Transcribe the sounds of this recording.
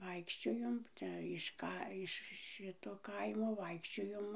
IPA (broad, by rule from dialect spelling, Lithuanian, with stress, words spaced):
ˈʋɐɪkʃʲt͡ʃʲoːjoːm ˈt͡ʃʲɛ ɪʃ ˈkɐ ɪʃ ˈʃʲɪtoː ˈkɐɪmoː ˈʋɐɪkʃʲt͡ʃʲoːjoːm